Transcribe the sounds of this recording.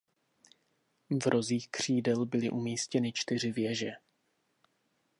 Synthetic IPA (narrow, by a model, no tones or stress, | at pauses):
vɾʔo̞ziːxkr̝̥iːdɛlbɪlɪʔumiːscɛnɪt͡ʃt̪ɪrɪvjɛʒɛ